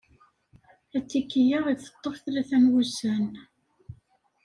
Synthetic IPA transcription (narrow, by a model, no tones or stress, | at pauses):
æt͡sːikːijaʁiθə̥t̪ˤːofθɾæθænwusæn